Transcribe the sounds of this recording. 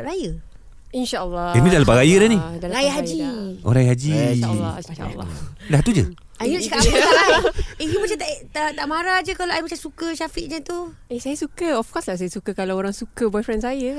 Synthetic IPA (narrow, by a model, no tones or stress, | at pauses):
ɾajə | inʃalːɔimĩdalapaɾajədanĩdaajaɦad͡ʒiʔo̰ɾajaɦad͡ʒḭ | daht̪ud͡ʒə̰ | ajəkaaijumat͡ʃamt̪aʔt̪t̪aʔmaɾad͡ʒəkalaajmat͡ʃamsukəʃafiʔd͡ʒant̪u | esajəsukəɔfkɔslasajəsukəkalawoɾaŋsukəbɔjfɾɛnsajə